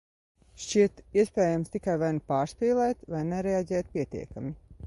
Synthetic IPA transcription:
ʃt͡ʃiɛt̪iɛspɛːjamst̪ikajvajnpaːɾspiːlˠɛːt̪vajnɛɾɛaɟʲɛːt̪̚pʲiɛt̪ḭɛkami

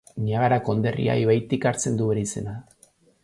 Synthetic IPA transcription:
ɲaɣaɾako̞nd̪e̞rḭa̰jβajt̪ikaɾt͡se̞nd̪uβeɾise̞̰na

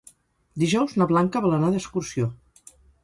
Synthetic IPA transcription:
d̪iʒɔwznəβlaŋkəβalənaðəskursio

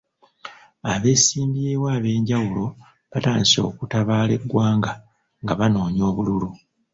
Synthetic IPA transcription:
aβe̞ːsiːmbijeːwaːβe̞ːɲɟawulo̞ | βataːnso̞̰ːkutaβaːle̞ɡːwaːŋɡa | ŋɡaβano̞ːɲo̞ːβululu

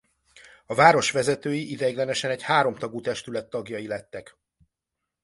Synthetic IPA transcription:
ɒvaːɾo̞ʃʋɛzɛt̪øːjiʔid̪ɛɡlɛnɛʃɛnɛchaːɾo̞mt̪ɒɡut̪ɛʃt̪ylɛt̪ːɒɡjɒjilɛt̪ːɛk

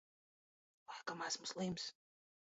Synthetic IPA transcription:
wakamasmʊslims

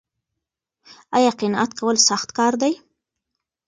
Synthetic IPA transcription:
ajɑqɪnɑʔat̪kawəlsaxt̪kɑɾd̪aj

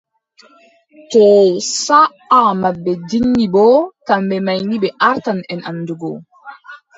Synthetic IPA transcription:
tɔsa | amabːɛdinːibɔtambɛmajnibɛʔaɾtanɛnamduɡɔ

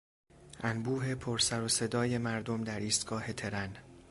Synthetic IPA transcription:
ʔænbuːɦe̞pʰoɾsæɾose̞d̪ɒːje̞mæɾd̪o̞md̪æɾiːst̪̚ɡ̥ɒːhe̞t̪ʰe̞ɾæn

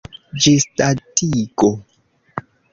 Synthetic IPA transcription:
d͡ʒistatiko

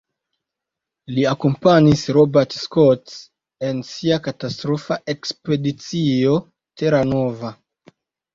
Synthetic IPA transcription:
liakompanisɾobeɾtskots | e̞nsiakatastɾofaʔe̞kspe̞dit͡sio̞ | tʰe̞ɾano̞va

